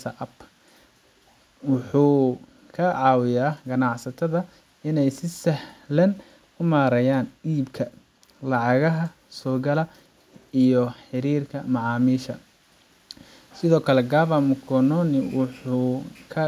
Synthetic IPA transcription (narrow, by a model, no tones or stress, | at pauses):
sɐʔɐb | wʊħuː | kʰɐʕɑːwɪjaːɡɐnɑʕsɐt̪ʰɐðɐ | ɪnɛjsɪsɐħlɐn | ʊmaːɾɐjaːnɗiːbkʰɐ | lɑʕɑɣɐɦɐ | sɔːɡɐlɐ | ijɔħɪɾiːrkʰɐmɑʕɑːmiːʃɐ | sɪðɔːkʰɐlɛɡaːβɐmʊkʰɔnɔnɪwʊħuːkʰɐ